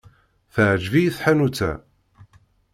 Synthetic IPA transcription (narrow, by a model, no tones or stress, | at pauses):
θəʕd͡ʒvijiθħanut͡sːæ̰